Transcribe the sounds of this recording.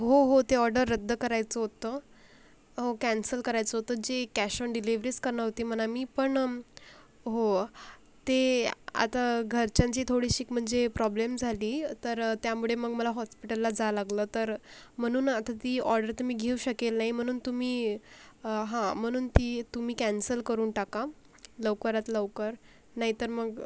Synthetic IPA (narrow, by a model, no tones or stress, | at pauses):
ɦoɦot̪eɔɾɖəɾːəd̪ʱːəkəɾajt͡səɦot̪ə | ɦokænsəlkəɾajt͡səɦot̪əːd͡ʑekæɕəɳɖiliʋɾiːskəɾɳəɦot̪iːm̤ənamiːpəɳ | ɦo | t̪ea̰t̪aɡʱəɾt͡ɕãɲt͡ɕiːt̪ʰoɽiːɕiːkm̤əɳd͡zepɾɔblemd͡zʱaliːt̪əɾt̪jamuɭ̤eməɡməlaɦɔspiʈəlːad͡zalaɡləːt̪əɾm̤əɽ̃uːnat̪ʰat̪iːɔɾɖəɾt̪um̤iːɡʱeuɕəkelnaɦim̤əɽ̃uːnt̪umiː | ɦãm̤əɽ̃uːnt̪iːt̪um̤iːkænsəlkəɾuːnʈaka | ləʋkəɾat̪ləʋkəɾ | naɦit̪əɾməɡ